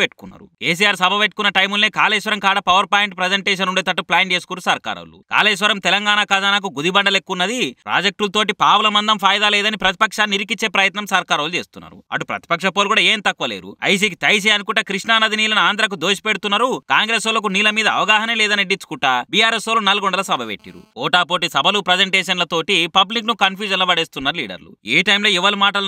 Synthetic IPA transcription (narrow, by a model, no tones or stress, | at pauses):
eʈːu̥kunːa̰ːɾṵkeːs̬iːjaːɾsɐbʱɐʋeʈ̚ːkunːɐʈɐjmulneːkaːleːʃʋɐɾɐmkaːɽɐpɐʋɐɾpaːjɳʈpɾed͡ʒeɳʈeːʃ̬ɐnuɳɖeːt̪̬ɐʈːuplaːnd͡ʒeːsukuɾusɐɾka̰ːɾɐ̰wlṵka̰ːleːʃ̬ʋɐɾɐmt̪ɛlɐŋɡaːnakɐd͡ʒanak̬uɡud̪ibɐɳɖɐlekːunːɐd̪ipɾa̰ːd͡ʒek̚ʈulɐt̪o̞ːʈipaːwulɐmɐnd̪ɐmpʰaːjd̪aːlɛːd̪ɐnipɾɐt̪i̥pɐkʂaːniɾikit͡ʃːeːpɾɐjɐt̪nɐmsɐɾkaːɾɐwlut͡ʃe̞ːst̪unːa̰ːɾṵɐ̰ʈupɾɐ̰t̪ipɐkʂɐpoːlukuɽaeːnt̪ɐkːuʋɐlḛːɾṵɐ̰js̬iːkit̪ɐjs̬ɛɐnukuʈːɐkɾiʂɳaːnɐd̪iniːlɐnaːnd̪ɐɾɐk̬ud̪oːʃi̥peɽut̪unːɐɾukaːŋɡɾeːsolɐk̬uniːlɐmiːd̪ɐ̰ːʋɐɡaːɦɐnɐmlɛːd̪ɐniɖit͡ʃːu̥kuʈabijaːɾesoːlunɐlɡoɳɖɐlɐsɐbʱɐʋeʈːḭɾṵɔːʈaːpo̞ːʈisɐbʱɐlupɾɐd͡ʒeɳʈeːʂɐnlɐt̪o̞ːʈipɐblik̬nukɐnpjuːd͡ʒɐnlɐbɐɽeːst̪unːaːɾulḭːɽɐ̰ɾlṵeːʈɐjmlo̞ːiʋɐlumaːʈɐl